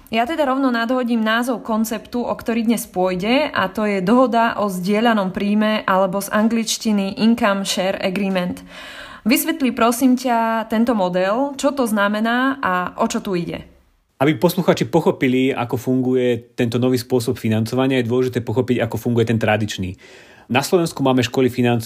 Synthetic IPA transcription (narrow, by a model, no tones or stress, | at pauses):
jat̪ɛd̪aɾɔʊnɔnad̪ɦɔɟiːmnaːzɔʊkɔnt͡sɛpt̪uʔɔkt̪ɔɾiːd̪ɲɛspʊɔjɟɛʔa̰t̪ɔjɛd̪ɔɦɔd̪aʔɔzɟɪɛʎanɔmpɾiːmɛʔalɛbɔzaŋɡlit͡ʃciniʔiŋkamʃɛɾɛ̰ɡɾiːmɛnt̪ | ʋisʋɛt̪lipɾɔsiːmcat̪ɛnt̪ɔmɔd̪ɛlt͡ʃɔt̪ɔznamɛnaːʔaʔɔt͡ʃɔt̪uiɟɛ̰ | abipɔsluxaːt͡ʃipɔxɔpilia̰kɔfuŋɡujɛt̪ɛnt̪ɔnɔʋiːspʊɔs̬ɔpfinant͡sɔʋaɲɪajɛd̪ʊɔlɛʒit̪ɛːpɔxɔpiɟakɔfuŋɡujɛt̪ɛnt̪ɾad̪it͡ʃniː | naslɔʋɛnskumaːmɛʃkɔlifinant͡s